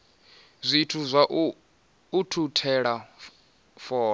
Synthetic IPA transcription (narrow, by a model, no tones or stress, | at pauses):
zʷitʰuzʷaʔ | utʰutʰɛɺa | fɔː